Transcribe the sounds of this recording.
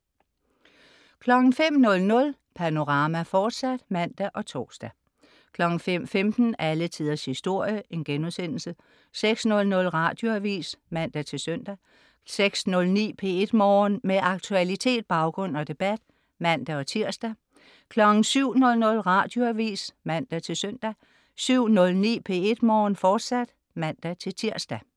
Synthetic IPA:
kʰlɒ̽ɡ̥n̩fem̰nɔ̽lnɔ̽l | pʰæno̝ʁɑ̈ːmæfɒːd̥sæd̥mæn̰d̥æʔɒ̽t͡sʰɒ̰ːsd̥æ | kʰlɒ̽ɡ̥n̩fem̰femd̥n̩ælət͡sʰiðˠɐshisd̥o̝ɐ̰jəʔe̝nɡ̥enuðˠsen̰l̩sə | seɡ̥snɔ̽lnɔ̽lʁɑ̈d̥jo̝æʋḭːsmæn̰d̥æt͡sʰe̝lsœn̰d̥æ | seɡ̥snɔ̽lnḭːpʰe̝e̝d̥mɒːnmeʔɑ̈ɡ̥̚t͡sʰuælit͡sʰe̝̰ːd̥̚b̥ɑ̈ʊɡ̥ʁɔ̽n̰ɒ̽d̥e̝b̥æd̥ | mæn̰d̥æɒ̽t͡sʰiɐ̰sd̥æ | kʰlɒ̽ɡ̥n̩syʊ̰nɔ̽lnɔ̽lʁɑ̈d̥jo̝æʋḭːsmæn̰d̥æt͡sʰe̝lsœn̰d̥æ | syʊ̰nɔ̽lnḭːpʰe̝e̝d̥mɒːnfɒːd̥sæd̥ | mæn̰d̥æt͡sʰe̝lt͡sʰiɐsd̥æ

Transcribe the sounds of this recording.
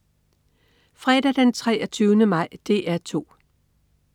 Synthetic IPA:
fʁɛd̥æd̥ent͡sʰʁɛːɐt͡sʰyːʊnəmɑ̈ɪ̰d̥e̝æɐt͡sʰo̝̰ː

